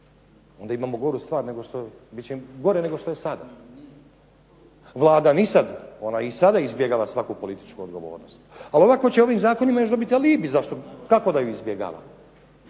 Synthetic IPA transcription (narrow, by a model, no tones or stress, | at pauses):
o̞nd̪aimaːmoɡo̞ɾust̪ʋaːɾne̞ɡo̞ʃt̪o | bit̪t͡ɕeɡo̞ɾene̞ɡo̞ʃt̪o̞jesad̪a̰ | ʋlˠaːd̪anisad̪o̞naisad̪aizbje̞ɡaːʋasʋakupo̞lit̪i̥t͡ʃkuod̪ɡo̞ʋo̞̰ːɾnost̪alio̞ʋakot͡ɕeo̞ʋimzaːko̞nimajo̞t͡ʃd̪obit̪ialiːbizaʃt̪o̞kako̞d̪ajuizbje̞ɡa̰ːʋa̰